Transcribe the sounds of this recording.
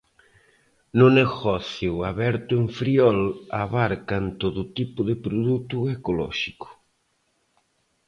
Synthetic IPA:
nʊneɣɔθjʊaβɛɾt̪ʊeɱfɾiɔlaβaɾkant̪oðʊt̪ipʊðɪpɾoðut̪ʊekolɔ̰ʃikʊ̥

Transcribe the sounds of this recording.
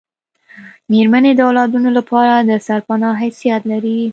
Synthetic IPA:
meɾmaned̪əawlɑd̪unolapʰɑɾad̪əsaɾpanɑɦajsijat̪laɾi

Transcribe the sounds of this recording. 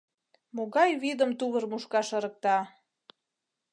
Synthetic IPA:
moɣɑjβid̪əmt̪uβərmuʃkɑʃəɾək̚t̪ɑ

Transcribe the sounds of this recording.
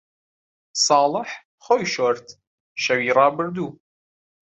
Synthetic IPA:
sˤɑːlˠəħ | xoːjʃoɾt̪ʰ | ʃɐwiːɾˤɑːbəɾd̪uː

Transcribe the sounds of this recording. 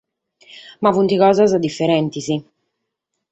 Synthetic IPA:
mavunt̪iɣɔːzazad̪ifːɛɾɛnt̪izi

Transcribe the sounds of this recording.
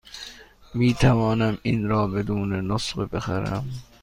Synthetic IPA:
miːt̪ʰævɒːnæminɾɒːbed̪uːnenosɢbexæ̰ɾæ̰m

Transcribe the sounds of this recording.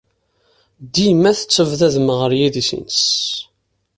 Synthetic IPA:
d̪imːæθə̥t͡sːəvðæðəməʁəɾjiðisḭns

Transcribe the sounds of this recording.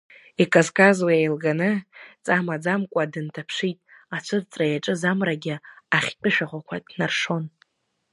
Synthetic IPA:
ikʼozkʼazwajajlɡanɨt͡sʼamad͡zamkʷʼadɨntʰapʰʂitʼat͡ʃʷʰɨrt͡sʼrajaʈ͡ʂʼɨzamraɡʲɪaχʲpʲʼɪʃᶣaχʷakʷʰadʼnarʂo̞n

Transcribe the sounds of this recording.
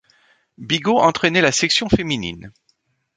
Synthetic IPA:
biɡoʔɑ̃t̪χɛnɛlasɛksjɔ̃feminḭn

